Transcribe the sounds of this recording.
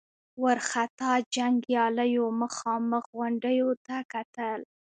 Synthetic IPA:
wəɾxat̪ɑd͡ʒaŋɡjɑləjoməxɑməxɣaɳɖəjot̪akat̪əl

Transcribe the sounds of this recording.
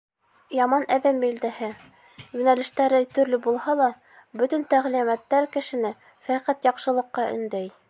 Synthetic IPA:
jɑmɑnʔæðæmbild̪æhɘ | junælɘ̆ʃt̪æɾɘt̪ɵ̆ɾlɵbulˠhɑlˠɑ | bɵ̆t̪ɵ̆nt̪æʁlimæt̪ːæɾkɘ̆ʃɘ̆nɘ | fæqæt̪jɑqʃɤ̆lˠɤ̆qːɑɵ̰̆nd̪æj

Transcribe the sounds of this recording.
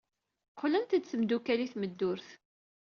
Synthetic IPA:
qʰːlənt̪əd̪θəmd̪ukæliθməd̪ːʊɾθ

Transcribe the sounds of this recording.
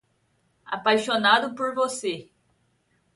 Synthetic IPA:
a̰pajʃonad̪ʊpoɾvose

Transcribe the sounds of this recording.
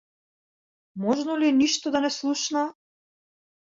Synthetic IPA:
mɔʒnɔliniʃt̪ɔd̪anɛslˠuʃna

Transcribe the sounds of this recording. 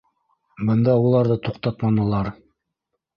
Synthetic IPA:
bɤ̆nd̪ɑulˠɑɾðɤt̪uqt̪ɑt̪mɑnɤ̆lˠɑɾ

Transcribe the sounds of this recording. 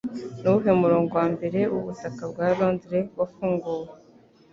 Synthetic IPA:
nuɦemuɾo̞ːŋɡo̞waːmbe̞ɾe̞uβutakabɡaːɾo̞ːndiɾe̞wafuːŋɡuːwe

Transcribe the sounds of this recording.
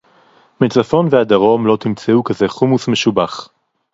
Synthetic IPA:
met͡safo̞nvead̪aʁo̞mlo̞t̪imt͡seukazeχumusmeʃubaχ

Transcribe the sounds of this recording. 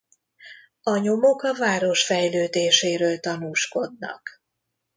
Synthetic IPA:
ɒɲo̞mo̞kɒvaːɾo̞ʃfɛjløːd̪eːʃeːɾøːlt̪ɒnuːʃko̞d̪nɒ̰k

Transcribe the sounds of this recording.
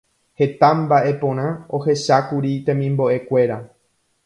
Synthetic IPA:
he̞t̪ãmbaʔe̞põ̞ɾ̃ão̞he̞ʃakuɾit̪ẽ̞mĩmbo̞ʔe̞kʷe̞ɾa

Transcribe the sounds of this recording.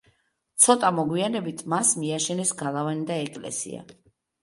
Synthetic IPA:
t̪sʰɔt̪ʼamɔɡwianɛbit̪ʰmasmiaʃɛnɛsɡalˠavanid̪aɛkʼlɛ̰sḭa̰

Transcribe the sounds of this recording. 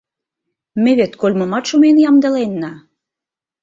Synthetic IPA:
meβet̪kolʲmɤmɑt̪ʃumenjɑmd̪ə̆lenːɑ

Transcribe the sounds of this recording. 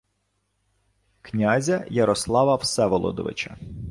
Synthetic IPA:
knʲazʲɐjɐɾɔslˠɑʋɐwsɛʋɔlˠɔ̰d̪ɔ̰ʋɪ̰t͡ʃɐ̰

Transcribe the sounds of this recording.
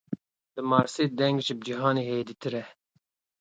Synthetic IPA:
d̪ɨmɑːɾseːd̪ɛŋɡʒib̚d͡ʒiɦɑːneːheːd̪it̪ʰɨɾɛ

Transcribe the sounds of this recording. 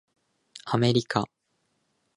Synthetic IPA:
ame̞ɾʲika

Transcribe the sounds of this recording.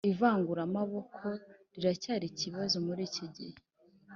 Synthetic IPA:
ivaːŋɡuɾamaβo̞kʰo̞ɾiɾacaːɾiciβazomuɾiːciɟḭhe

